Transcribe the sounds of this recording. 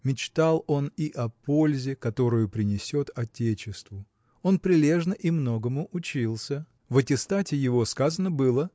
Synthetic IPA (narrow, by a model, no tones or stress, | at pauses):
mʲɪt͡ɕt̪alˠo̞niʔɐpo̞lʲzʲɪkɐt̪o̞ɾʊjʊpɾʲɪnʲɪsʲo̞t̪ɐtʲet͡ɕɪst̪vʊ | o̞npɾʲɪlʲe̞ʐnəʔimno̞ɡəmʊʔʊt͡ɕilˠsʲə | vɐtʲɪst̪atʲɪjɪvo̞skazənəbɨlˠə